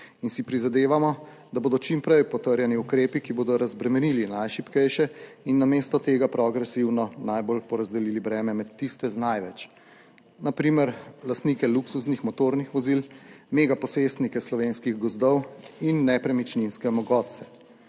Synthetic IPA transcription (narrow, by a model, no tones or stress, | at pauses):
insipɾizad̪eːʋamɔ | d̪aboːd̪ɔt͡ʃimpɾɛjpɔt̪əɾjɛniukɾeːpikiboːd̪ɔɾazbɾɛmɛnilinajʃipkɛjʃɛinːameːst̪ɔt̪eːɡapɾɔɡɾɛsiwnɔnajbolpɔɾazd̪ɛlilibɾɛːmɛmɛt̪ːist̪ɛznajʋɛt͡ʃ | napɾiːmɛɾlast̪nikɛluksusnixmɔt̪oɾnixʋɔzilmeɡapɔsest̪nikɛslɔʋenskiɣɡɔzd̪ɔwinːɛpɾɛmit͡ʃninskɛmɔɡɔːt̪̚sɛ̥